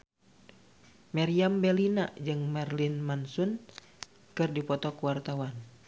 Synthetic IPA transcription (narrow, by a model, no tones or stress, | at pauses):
mɛɾiambɛlina̰d͡ʒɨŋmɛrlinmansun | kɨrdipɔt̪ɔkuwart̪awan